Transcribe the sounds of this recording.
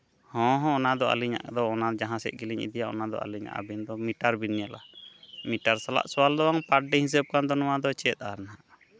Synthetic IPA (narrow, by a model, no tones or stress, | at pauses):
hɔ̃ɦɔ̃ɔnad̪ɔa̰liɲa̰ʔd̪ɔːnad͡ʒaɦãsɛ̰ʔ̪̚ɡiliɲḭd̪ijaʔɔnad̪ɔ̰ʔa̰liɲa̰ʔa̰bind̪ɔmiʈaɾbinːjala̰miʈaɾsala̰ʔsɔwald̪ɔwaŋpaɖɛhĩs̬əb̚kand̪ɔnɔwad̪ɔt͡ʃɛt̪̚ˀaɾnaʔ